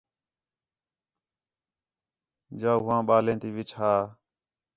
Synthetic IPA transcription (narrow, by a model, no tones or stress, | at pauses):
d͡ʒaːʊʋãːɓaːlẽːt̪iːʋɪt͡ʃʰhaː